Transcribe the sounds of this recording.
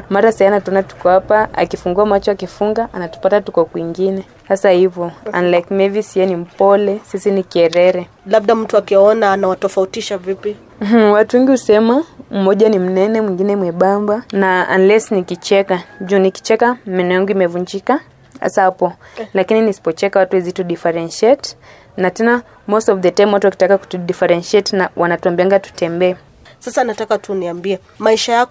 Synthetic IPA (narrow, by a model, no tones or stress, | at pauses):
maɾasɛanatuɔnatu̥kɔhapaa̰kifuŋɡuamat͡ʃɔakifuŋɡaʔanatu̥patatukɔkwiŋɡinɛ | hasahivɔa̰nlajkmɛvisiɛnim̩pɔlɛsisinikiɛɾɛɾɛ | laɓ̚ɗam̩tuakiɔnaːnawatɔfautiʃavipi | m̩watuwɛŋɡihusɛmam̩mɔʄanim̩nɛnɛmwiŋɡinɛmwɛɓambanaa̰nlɛsnikit͡ʃɛkaʄuːniki̥t͡ʃɛkamɛnɔjaŋɡuimɛvuɲd͡ʒika | a̰saapɔlakininisi̥pɔt͡ʃɛkawatuɛzituɗifɛɾɛnʃɛt | natɛna | mɔstɔvðɛtajmwatuwaki̥takakutuɗifɛɾɛnʃiɛtnawʔanatuambiaŋɡatu̥tɛmbɛː | sasanatakatuniambiɛ | maiʃaja